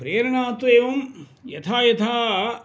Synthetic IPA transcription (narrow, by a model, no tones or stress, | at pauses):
pɾeːɾɐɳaːt̪ʋeːʋɐm | jɐt̪ʰaːjɐt̪ʰaː